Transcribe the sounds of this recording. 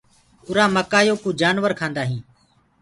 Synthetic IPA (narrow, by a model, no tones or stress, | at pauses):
ʊɾaːməkaːjoːkuːd͡ʒaːnʋəɾkʰãːnd̪aːɦĩː